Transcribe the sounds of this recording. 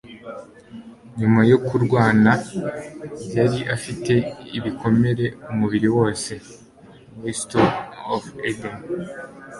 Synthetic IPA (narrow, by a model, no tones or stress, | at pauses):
ɲumajo̞kuɾɡwaːna | bjaɾiʔafite̞iβiko̞me̞ɾe̞umuβiɾiwo̞ːse̞ | westoofeden